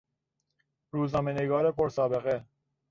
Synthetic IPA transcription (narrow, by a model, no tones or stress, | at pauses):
ɾuːznɒːmeneɡɒːɾepʰoɾsɒːbe̞ɣe